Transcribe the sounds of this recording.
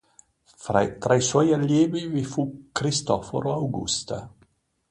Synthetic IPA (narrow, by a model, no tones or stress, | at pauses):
fɾa̰t̪ɾajswɔjaljɛːbivifukɾist̪ɔfo̰ɾoawɡṵst̪a